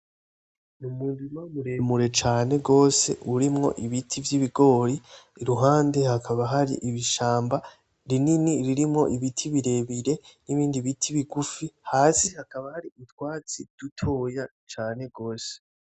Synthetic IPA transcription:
numuːndimamuɾemuɾe̞t͡ʃaːne̞ɡo̞ːse̞ʔuɾimŋo̞̰ʔiβitʰivjiβiɡo̞ːɾiːɾuɦaːnde̞hakʰaβaɦaɾḭʔiβiʃaːmba | ɾininiɾiɾimŋo̞ʔiβitʰiβiɾe̞βiɾe̞niβiːndiβitʰiβiɡufihaːsihakaβahaɾiutwaːt͡sid̥utʰo̞ːja | t͡ʃaːne̞ɡo̞ːse̥

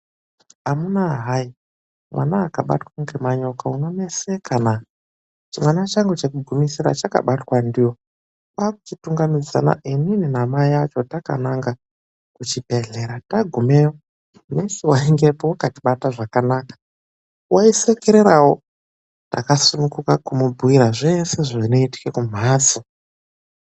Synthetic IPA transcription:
amunaɦai | mwa̰naːkaɓa̰twaŋɡemaɲo̞kaunomesekʰana | t͡ʃimwanat͡ʃaŋɡet͡ʃekuɡʱumisiɾa̰t͡ʃaka̰ɓatwandiwo̞ | kaːku̥t͡ʃituŋɡamid͡za̰na̰ʔinininamaiat͡ʃo̞taka̰naŋɡa | kut͡ʃibʱe̞ɮe̞ɾataɡʱume̞wo | nesewaiŋɡe̞powakatiɓataʐakanaːkḁ | waisekeɾeɾawo̞ | ta̰kasunukukakumubʱuiɾaʐe̞se̞ʐino̞iti̥kekum̤aːsi

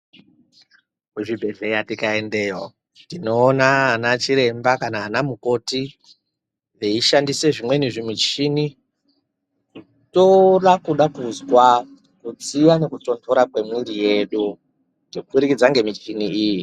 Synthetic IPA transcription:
kuʐibʱe̞ɮe̞jatikaendeːjo | ndino̞ːnaanat͡ʃiɾe̞mbakanaːnamuko̞ti | veiʃandise̞ʐimwe̞niʐimit͡ʃini | ku | toɗakuɗakuzwa | kud͡zijane̞kuto̞ntʰoɾakwe̞mwiɾije̞ɗu | neufuɾikid͡zaŋɡe̞mit͡ʃiniiːji

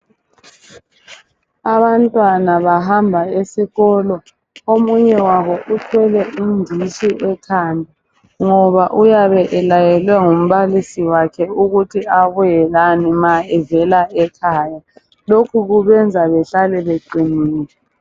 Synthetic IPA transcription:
aβantʼwanaβaɦambʱaesiɣɔlɔ | omuɲɛwaβɔʔutʰwɛlɛʔindʱiʃiʔɛkʰandʱi | ŋɔβaʔujaβɛʔɛlajɛlwɛŋum̩βalisiwakʰɛuɣutʰiaβujɛlanimaɛvɛlaɛkʰaːja | lokʰuɣuβɛnd͡zʱaβɛɬalɛβeǃiniːlɛ

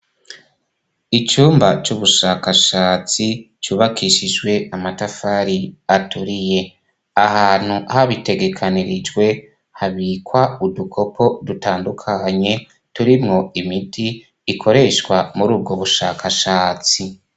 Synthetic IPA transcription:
it͡ʃuːmbat͡ʃuβuʃakaʃaːt͡si | t͡ʃuːβakiʃid͡ʒwe̞ʔamatafaːɾiatuɾije̞ | ahaːn̥huhaβite̞ɡe̞kʰaniɾid͡ʒwe̞ | haβiːkwaudukʰo̞pʰodutaːndukʰaɲe̞ | tuɾimŋo̞imitʰiː | kʰo̞ɾe̞ʃkwamuɾuːb̚ɡoβuʃa̰ːkʰaʃaːt͡si

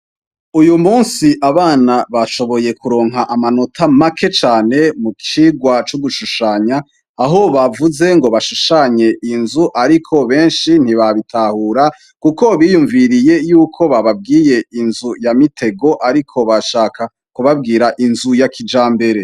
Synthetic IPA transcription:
ujumuːnsiʔaβaːnaβaʃo̞βo̞je̞kuɾo̞ːŋɦaʔamano̞tʰamakʰe̞t͡ʃaːne̞mukʰiːɡwat͡ʃuɡuʃuʃaɲaː | ɦo̞βavuze̞ŋɡo̞βaʃuʃaɲe̞ʔinzuʔaɾikʰo̞βe̞ːnʃin̥iβaβitʰahuːɾa | kuko̞βijuɱviɾije̞juːkʰo̞βaβab̚ɡiːje̞inzujamitʰe̞ɡo̞ʔaɾikʰo̞βaʃaːka | kuβab̚ɡiːɾaʔinzujakʰid͡ʒaːmbe̞ɾe̞

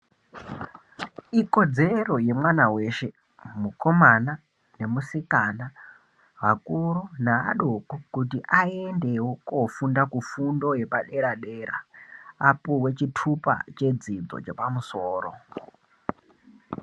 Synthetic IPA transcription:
iko̞d͡zero̞je̞mwanawe̞ʃe̞ | muko̞mana | ne̞musikana | ʋakuɾunaa̰ɗokokutiʔaendewokofundakufundo̞je̞paɗe̞ɾaɗeːɾa̰apuwe̞t͡ʃitʰupa̰t͡ʃe̞d͡zid͡zo̰t͡ʃḛpamusoːro̰

